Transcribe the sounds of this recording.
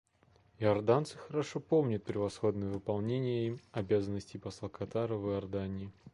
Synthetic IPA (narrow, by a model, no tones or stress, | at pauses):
ɪɐrd̪ant̪sɨxəɾɐʂopo̞mnʲət̪̚pʲɾʲɪvɐsxo̞d̪nəjəvɨpɐlˠnʲenʲɪjəimɐbʲazənːəsʲtʲɪjpɐslˠəkʰɐt̪aɾəvɨɐrd̪anʲɪː